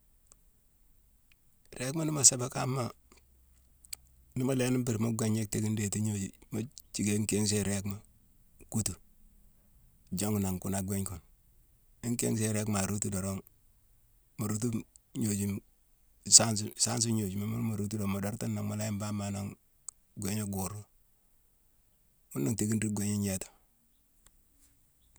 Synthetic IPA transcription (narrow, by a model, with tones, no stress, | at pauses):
ɾe˦kma˦nɪ˦ma˨se˦ba˦ka˦mːa˦ | nɪ˦mo˨le˦ni˦mbi˨ɾmo˦ɡʷe˨ɲe˦k̚te˦ki˦nde˨ti˦ɲo˦d͡ʒi˨mo˦t͡ʃi˨ɡe˦ŋke˦ŋs̬e˦ɾe˦kma˨ | ku˦tu˨ | d͡ʒo˦ŋna˨ŋku˨na˨ɡʷe˦ɲku˨n | i˦ŋkḛ˦ŋs̬e˦ɾe˦kma˨ɾu˦tu˦do˨ɾo˦ŋ | mo˨ɾu˦t̬u˦ɲo˨d͡ʒi˦m | sa˦nsusa˦ns̬u˦ɲo˨d͡ʒi˨ma˦mu˦n˦ma˨ɾu˦tu˦do˨ma˨do˨˦ɾta˦nːa˨ŋma˨la˦ji˦mba˦ma˨na˨ŋ | ɡʷe˦ɲo˦ɡu˨ɾu˦ | mu˦nːa˨ŋte˦ɡi˦ndi˦ɡʷwe˦ɲe˦ɲe˦to̥˨